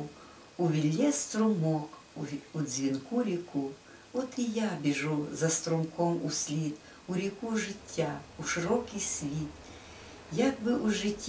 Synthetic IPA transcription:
uʋʲilʲːɛst̪ɾʊmɔkː | zʲʋʲinkuɾʲiku | ɔt̪ijabʲɪʒuzɐst̪ɾɔmkɔmusʲlʲit̪ | uɾʲikuʒɪtʲʰːauʃɪɾɔkʲijsʲʋʲit̪ | jaɡbɪʔuʒɪtʲː

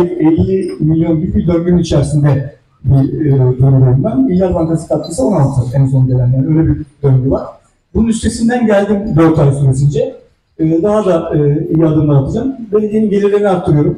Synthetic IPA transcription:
ɛlʲːimilʲjo̞nɟybid̪ønɟynit͡ʃʰæɾsind̪ɛ | bizo̞ɾuveɾinʲmæmmilʲjazvankasɯ̥kʰat̪kʰɯsɯonalˠt̪ʰɯɛnso̞nd̪elʲæmd̪ʲænøjlʲebid̪ønɟyvaɾ̥ | bununyst̪ʰe̞sind̪ænɟælʲd̪imbøɾt̪ʰaɾsuɾes̬ind͡ʒɛː | d̪aɦad̪aɯːijiad̪ɯmd̪alˠp̪ʰɯzanbenijeniɟe̞lʲiɾlʲeniakt̪ʰːɯɾɯjo̞ɾum

